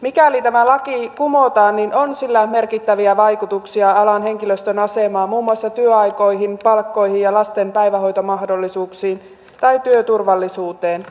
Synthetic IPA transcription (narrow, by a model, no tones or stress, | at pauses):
mikælit̪æmælɑkikumot̪ɑːnninʔonsilːæmerkit̪ːæʋiæʋɑjkut̪uksiɑɑlɑnɦe̞ŋkiløst̪ønɑsemɑːmuːmːuɑsːɑt̪yøɑjko̞jɦinpɑlkːo̞jhijjɑlɑst̪empæjʋæɦo̞jt̪omɑɦdo̞lːisuːksiːn | t̪ɑjt̪yøt̪urʋɑlːisuːt̪eːn